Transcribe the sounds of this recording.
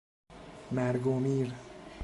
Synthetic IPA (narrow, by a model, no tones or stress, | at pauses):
mɛɾɡomiɾ